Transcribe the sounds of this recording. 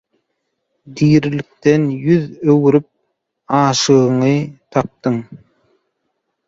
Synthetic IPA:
d̪iːɾilik̚t̪enjyðøwyɾyp̚ | ɑːʃɯɣɯɴɯt̪ʰɑp̚t̪ɯŋ

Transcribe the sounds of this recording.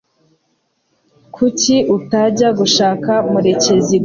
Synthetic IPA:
kʰuciʔutaɟaɡuʃaːkamuɾe̞ce̞zi

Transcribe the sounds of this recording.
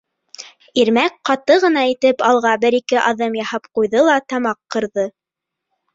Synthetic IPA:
iɾmæk̚qɑt̪ɤʁɤ̆n̪ɑit̪ɘpɑlˠʁɑbɘɾikɘʔɑðɤmjɑhɑpqujðɤlˠɑt̪ɑmɑqːɤ̆ɾðɤ

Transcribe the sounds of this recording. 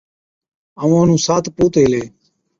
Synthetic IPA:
əʋũːənũːsaːt̪ʰpuːt̪eːleː

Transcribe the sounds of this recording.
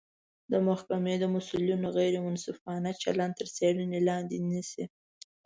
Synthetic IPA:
d̪əmʊhkamed̪əmʊsulinoɣajɾemʊnsufɑnat͡ʃa̰land̪t̪əɾseɽənelɑnd̪enisi

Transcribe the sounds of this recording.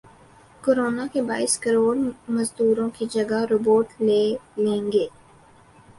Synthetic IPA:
koːɾoːnakebaːɪskəɾoːlməzd̪uːɾõkid͡ʒɐɡaɾoːboːʈleːlẽːŋɡeː

